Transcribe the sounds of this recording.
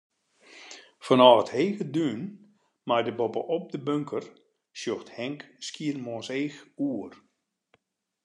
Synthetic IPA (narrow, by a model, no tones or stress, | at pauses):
fɔnɔːətheːɣədyːn | majdəbɔpə̰ʔɔp̚dəbøŋkʰər | sjoxthɛŋkskiərmɔseːxuər